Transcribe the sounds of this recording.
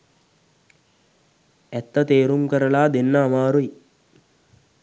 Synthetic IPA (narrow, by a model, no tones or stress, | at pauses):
ɛt̪ːət̪eːɾumkəɾəlaːd̪enːəːmaːɾuj